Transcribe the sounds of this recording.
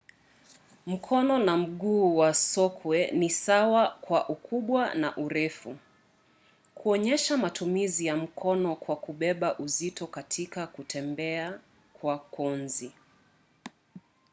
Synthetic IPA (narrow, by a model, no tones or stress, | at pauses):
m̩kʰɔnɔnam̩ɠuːwasɔkʰwɛnisawakwaʔukʰuɓwana̰ʔuɾɛfu | kuɔɲɛʃamatumizijam̩kʰɔnɔkwakuɓɛɓaʔuzitɔkatʰikakutɛmbɛa | kwakʰɔnzi